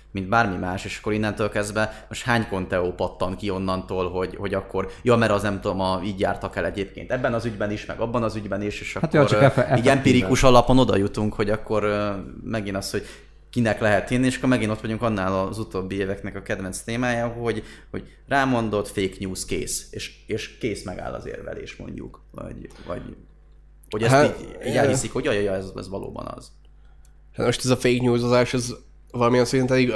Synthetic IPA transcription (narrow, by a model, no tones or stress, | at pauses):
mind̪baːrmimaːʃeːʃɒ̥kːoɾinːɛnt̪øːlkɛzd̪vɛmoʃt̪haːɲko̞nt̪ɛoːpɒt̪ːɒŋkio̞nːɒnt̪oːlɦo̞ɟho̞ɟɒkːo̞rjoːmɛɾɒznɛmt̪ud̪omɒiːɟja̰ːrt̪ɒkɛlɛɟeːp̚kḛnt̪ɛbːɛnɒzyɟbɛniʃmɛ̰ɡɒbːɒnɒzyɟbɛniʃeːʃɒtkːɾiːɟɛmpiɾikuʃɒlɒpo̞no̞d̪ɒ̰jut̪uŋkho̞ɟɒkːo̞ɾmɛɡinɒst̪ho̞ɟ̥ | kinɛklɛɦɛt̪ːinieːʃɒ̥kːoɾmɛɡinot̪ʋɒɟuŋkɒnːaːlɒzut̪oːbːieːvɛknɛkɒkɛd̪vɛnst̪eːmaːjɒɦo̞ɟho̞̰ɟ | raːmo̞nd̪o̞t̪feːkɲuːskḛːseːʃ | eːʃkeːsmɛɡa̰ːlːɒ̰zḛːrvɛ̰lḛːʃmo̰ɲɟṵkvɒ̰ɟvɒ̰ɟ | hoɟɛstiːɟiɛlvisikho̞ɟɒjɒjɒɛzɛ̰zʋɒlo̰ːbɒ̰nɒ̰z̥ | hat̪moʃt̪ɛzɒfeːkɲuːzozaːʃɛz | vɒlɒmiɛnsɛɾint̪ɛd̪iɡ